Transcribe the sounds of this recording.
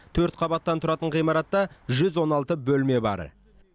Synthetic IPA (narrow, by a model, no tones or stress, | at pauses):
t̪ʰɵɾt̪̚qʰɑbɑt̪ːɑnt̪ʰʊɾɑt̪əɴqʰijmɑɾɑt̪ːɑʒʏzwo̞nɑlˠt̪əbɵlme̞bɑ̰ɾ̰